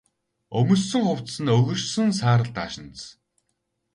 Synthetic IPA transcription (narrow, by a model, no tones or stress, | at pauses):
ɵmɵ̆sɵ̆ŋχʊw̥t͡ssɘ̆nɵɣɵ̆rsɵ̆nsaːɾə̆ɮt̪aːʃɪ̆nt͡s